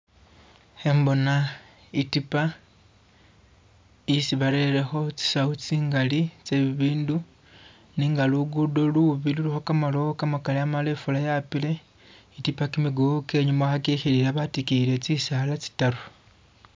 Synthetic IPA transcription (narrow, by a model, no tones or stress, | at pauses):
he̞mbo̞na | itipa | isiβaɾe̞le̞xo̞t͡si̥saut͡siːŋɡalit͡seβiβiːndu | niːŋɡaluɡudoluuβiluluxokamalokamakaliamalefulajapile̞ | itipakimiɡuuke̞ːɲumaxakixililaβatikile̞t͡sisalat͡si̥taɾo